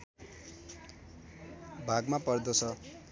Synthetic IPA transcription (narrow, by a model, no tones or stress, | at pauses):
bʱaɡmapʌrd̪osʰʌ